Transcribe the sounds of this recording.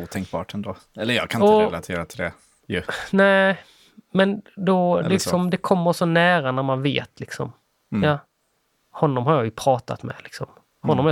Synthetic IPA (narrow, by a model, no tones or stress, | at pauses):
uːt̪ʰɛŋk̚bɑ̰ːʈʰɛnd̪oːɛlːəɾjɑ̰kʰanɪɔɾlat̪ʰeːɾat̪ʰɪld̪ɛ | jɵnæ | mɛnd̪ɔlɪɪksɔmd̪ɛkʰɔmːəɾʂɔnæːɾanæɾmanvḛːt̪lɪksɔ̰m | jɑ | hɔnːɔmɦaɾjɑːjɵpʰɾɑːt̪a̰t̪mɛ̰lɪksɔm | hɔnːɔm